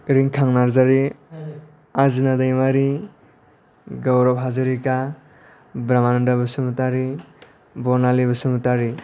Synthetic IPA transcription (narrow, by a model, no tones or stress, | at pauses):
ɾiŋkʰaŋnaɾzaɾi | azinadajmaɾi | ɡawɾɔp̚ɦazɯɾika | bɾamanɔndabɯsɯmutaɾi | bɔɾnalibɯsɯmutaɾi